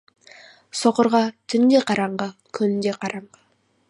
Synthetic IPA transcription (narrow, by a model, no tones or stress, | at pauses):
soqə̆ɾʁɑt̪ʰʏnd̪e̞qʰɑɾɑɴɢəkʲʰɵnɪnd̪e̞qʰɑɾɑɴʁə